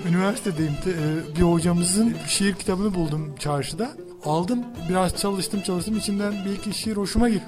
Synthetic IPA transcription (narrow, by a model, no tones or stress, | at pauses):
ynivæɾsit̪ʰed̪ejimt̪ʰːbiho̞d͡ʒamɯzɯnʃejiɾcʰit̪ʰabɯnɯbulˠd̪umt͡ʃʰaɾʃɯd̪a | alˠd̪ɯmbiɾaz̥t͡ʃʰalˠɯʃt̪ʰɯmt͡ʃʰalˠɯʃt̪ʰɯmit͡ʃʰind̪ænbɛlʲciʃejiɾho̞ʃumaɟiɾ